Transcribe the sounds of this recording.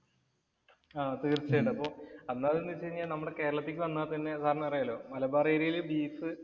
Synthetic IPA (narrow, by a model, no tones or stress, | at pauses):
aːt̪iːrt͡ɕːeːʈːɨɐpːo̞ːɐnːaːðenːɨt͡ɕːeɾiɲːaːlnɐmːuɽe̞ke̞ːɾɐɭɐt̪ːikːɨʋɐnːaːt̪ɐnːe̞sʰaːɾɐɲːɐɐrijɐlo̞ːmɐlɐbaːreːɾijilbiːsɨ